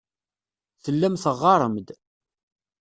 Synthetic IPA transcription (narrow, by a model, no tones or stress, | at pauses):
θəlːæmθəʁːɑɾˤəmd̪